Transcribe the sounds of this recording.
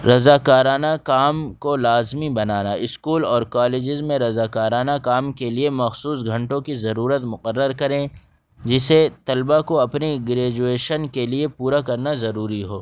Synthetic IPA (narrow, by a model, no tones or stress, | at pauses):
ɾɐzaːkaːɾaːnakaːmkolaːzmibɐnaːnaɪskuːlɔːɾkaːleːd͡ʒɪzmẽɾɐzaːkaːɾaːnakaːmkeliemɐxsuːsɡʱɐ̃ɳʈõkizɐɾuːɾət̪mʊqəɾːəɾkɐɾẽ | d͡ʒɪset̪ɐlbakoɐpneɡɾeːd͡ʒueːʃənkeliepuːɾakɐɾnazɐɾuːɾiɦoː